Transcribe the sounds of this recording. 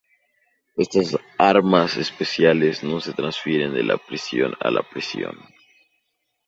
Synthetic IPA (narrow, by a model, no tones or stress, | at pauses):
est̪asaɾmasespesjalezno̞set̪ɾansfjeɾend̪elʔa̰pɾisjo̞̰na̰lapɾisjo̞̰n